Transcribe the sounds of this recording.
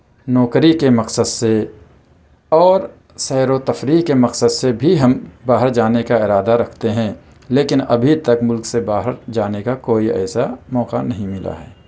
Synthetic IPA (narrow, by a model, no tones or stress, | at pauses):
nɔːkɾikemɐqsəd̪se | ɔːɾ | sɛːɾot̪ɐfɾiːkemɐqsəd̪sebʱiɦɐmbaːɦəɾd͡ʒaːnekaɪɾaːd̪aɾɐkʰt̪eɦɛ̃ː | leːkɪnɐ̰bʱit̪ɐkmʊlksebaːɦəɾd͡ʒaːnekakoːiɛ̰ːsamɔːqanɐɦĩmɪla̰ɦɛ̰ː